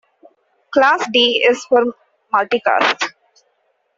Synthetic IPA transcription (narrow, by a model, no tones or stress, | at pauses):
klaːsɖiːɪzfɔɾ | mʌlʈika̰ːsʈ